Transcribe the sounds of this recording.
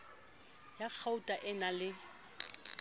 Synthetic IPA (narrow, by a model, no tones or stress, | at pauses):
jak͡xʰautʼaʔɪnalɪ